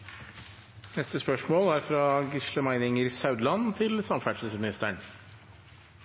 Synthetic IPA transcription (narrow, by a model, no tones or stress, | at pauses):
nɛst̪əspœʂmoːlæɾfɾɑːɡɪʂləmæɪnɪŋəɾsɑʉd̪lɑnt̪ʰɪlsɑmfæʂəsmɪnɪst̪əɳ